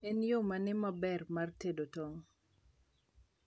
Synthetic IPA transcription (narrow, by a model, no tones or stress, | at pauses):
enjomanɪmabɛrmartedotɔŋ